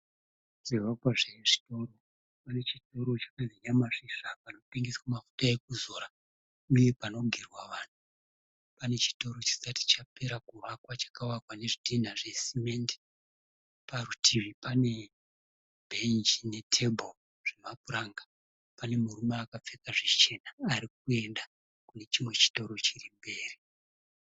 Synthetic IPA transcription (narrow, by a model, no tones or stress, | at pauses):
ʐ̥iʋakwaʐeʐito̞ːɾo̞ | pane̞t͡ʃito̞ɾo̞t͡ʃḁkaniɲamaʂiʂapano̞piŋɡiswamafu̥taek̚uzoːɾa | uje̞pano̞ɡʱirwaʋaːn̤u | pane̞t͡ʃi̥to̞ɾo̞t͡ʃi̥sati̥t͡ʃape̞ɾakurakwat͡ʃḁkawakwane̞ʐidin̤aʐe̞sime̞ːnde | parutʰiʋipane̞ | bʱeind͡ʒine̞tʰe̞bʱol | ʐ̥e̞map̚uɾaŋɡa | pane̞murumaːkap͡fekaʐet͡ʃe̞naːɾik̚ue̞nda | kune̞t͡ʃimwe̞t͡ʃi̥to̞ɾo̞t͡ʃirimbe̞ːri